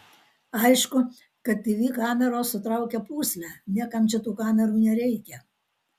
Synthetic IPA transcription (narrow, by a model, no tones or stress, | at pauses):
ɐɪʃkʊ | kɐt̪ʲt̪ʲɪʋʲiːkɑːmʲɛɾoːsʊt̪ɾɑʊkʲɛpuːsʲlʲæːnʲiɛkɐmt͡ʃʲɛt̪uːkɑːmʲɛɾuːnʲɛɾʲɛɪkʲɛ